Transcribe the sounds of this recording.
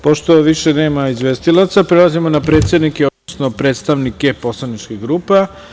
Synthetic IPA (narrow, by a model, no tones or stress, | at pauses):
po̞ʃt̪o̞ʋiʃene̞ːmaizʋest̪ilˠat̪sapɾelazimonapɾe̞ːt̪sʲjed̪nikeod̪osno̞pɾe̞ːt̪st̪aʋnike̞po̞slˠanit͡ʃkiɣɡɾuːpa